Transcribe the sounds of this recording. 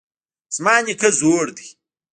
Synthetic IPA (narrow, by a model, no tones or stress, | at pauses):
smaːɲikɐzoːɾd̪i